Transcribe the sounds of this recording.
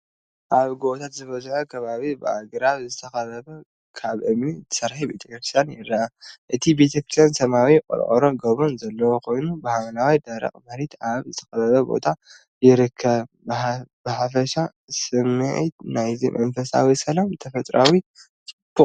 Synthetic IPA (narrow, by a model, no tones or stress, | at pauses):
ʔaβɡot̪ʰat̪zɨβɐzħokʰɐβaβibɨa̰ɡɾaβzɨt̪ʰɐxɐβɐβɐ | kʰaβʔɨmit̪ʰɨ̥sɐɾħibḛt̪ʰɐkkɾisanjɪɾːɐʔaʔɨt̪ʰibe̞t̪ʰɐkɾi̥sansɐmawikʼɨ̰lʔʼɐɾoɡɐβonzɐlːɐwokʰo̞jnubɨhamɐnawajd̪ɐɾɐ̰kʼmɐɾit̪aβzɨt̪ʰɐ̥xɐβɐβɐbo̞̰t̪ʰa | jɪɾɨkʰːɐβ | b̥ɨħafɐʃa | sɨmːɨʕḭt̪najzḭmʔɐnfɐsa̰wisɐlamt̪ʰɐfɐt̪ʼɾawi | t̪ʰibu